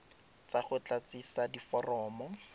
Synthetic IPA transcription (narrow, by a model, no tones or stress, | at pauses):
t͡saχʊt͡ɬat͡sisadifɔrɔːmɔ